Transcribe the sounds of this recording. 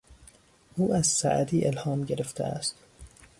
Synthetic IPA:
ʔuːæzsæ̰ʔæ̰d̪iːʔelhɒːmɟeɾeft̪ʰḛæ̰st̪

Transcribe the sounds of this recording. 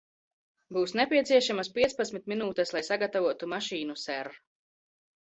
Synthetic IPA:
buːsnɛpʲiɛt̪siɛʃamaspiɛt̪spat̪sʲmit̪̚minuːt̪ɛslˠajsaɡat̪avuɔt̪umaʃiːnusɛɾ

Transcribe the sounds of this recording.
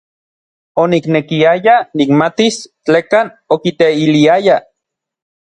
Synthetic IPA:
oniknekiajanikmat̪ist͡ɬekan | okit̪eiliaja

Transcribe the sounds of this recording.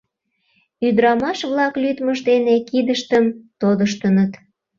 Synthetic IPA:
yd̪ɾɑmɑʃβlɑklyt̪məʒd̪enekid̪əʃt̪əmt̪od̪əʃt̪ənət̪

